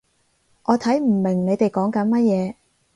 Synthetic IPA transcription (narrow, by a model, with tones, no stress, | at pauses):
ʔɔː˨˧t̪ʰɐ˨˥jm̩˨˩mɪ˨˩ŋne˨˧jt̪e˨jkɔː˨˥ŋkɐ˨˥nmɐ˥t̚jɛː˨˧